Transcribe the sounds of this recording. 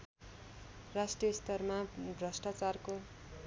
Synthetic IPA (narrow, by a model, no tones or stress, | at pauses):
rasʈrijʌst̪ʌrmabrʌsʈat͡sarko